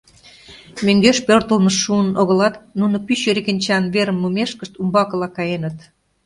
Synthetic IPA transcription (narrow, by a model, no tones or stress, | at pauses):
møŋɡøʃpørt̪əlməʃːuənoɣə̆lɑt̪nunŏpyɕøɾekə̆nʲt͡ɕɑnβeɾə̆mːumeʃkəʃt̪umbɑkə̆lɑkɑjenət̪